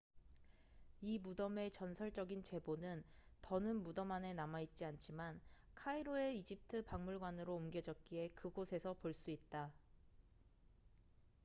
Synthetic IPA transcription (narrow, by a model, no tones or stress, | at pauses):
imudʌme̞t͡ɕʌnsʰʌɭt͡ɕ͈ʌɡint͡ɕe̞bonɯntʌnɯnmudʌmane̞namait̚t͡ɕ͈iant͡ɕʰiman | kʰaiɾoe̞id͡ʑip̚tʰɯpaŋmuɭɡwanɯɾoːmɡjʌd͡ʑʌk̚k͈ie̞kɯɡosʰe̞sʰʌpoɭs͈uit̚t͈a